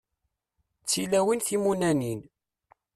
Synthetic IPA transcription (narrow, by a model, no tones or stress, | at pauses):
t͡sːilæwinθimunænin